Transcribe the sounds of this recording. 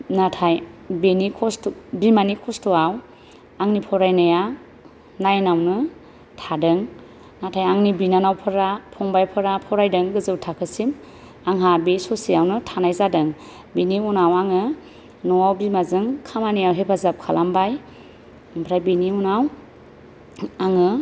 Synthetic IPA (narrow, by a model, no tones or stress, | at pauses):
natʰajbenikʰɔstbimanikʰɔstɔaw | aŋnipʰɔɾajnaja | najnawnɯ | tʰadɯŋ | natʰajaŋnibinanawpʰɯɾapʰɔŋbajpʰɯɾapʰɔɾajdɯŋɡɯzɯwtʰakʰɯsim | aŋɦabesɔsijawnɯtʰanajzadɯŋ | biniunawaŋɯ | nɔawbimazɯŋkʰamanijawɦepʰazap̚kʰalambaj | mpʰɾajbiniunaw | aŋɯ